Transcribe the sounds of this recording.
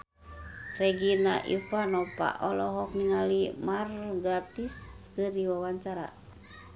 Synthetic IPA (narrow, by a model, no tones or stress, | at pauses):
rɛɡinaʔifanɔpa̰ʔɔlɔɦɔk̚niŋalimarɡat̪iskəɾiwawaɲt͡ʃaɾa̰